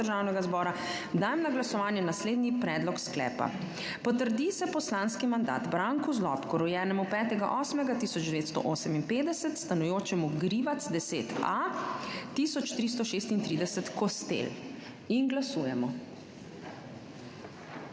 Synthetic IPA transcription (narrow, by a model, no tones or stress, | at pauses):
əɾʒawnɛɡazbɔːɾa | d̪aːjmnaɡlasɔʋaːnjɛnasleːd̪nipɾɛːd̪lɔksklɛ̰ːpa̰ | pɔt̪əɾd̪isɛpɔslaːnskimand̪a̰ːd̪bɾaŋkuzlɔ̰pkɔɾujɛːnɛmupɛːt̪ɛɡa̰ʔɔːsmɛɡat̪iːsɔd͡ʒd̪ɛʋeːt̪st̪ɔ̰ʔoːsɛminpeːd̪ɛsɛt̪st̪anujoːt͡ʃɛmuɡɾiʋat̪sd̪ɛsḛːt̪a̰ | t̪isɔt͡ʃt̪ɾist̪ɔʃeːst̪int̪ɾid̪ɛsɛt̪kɔst̪ḛl | inɡlasuːjɛmɔ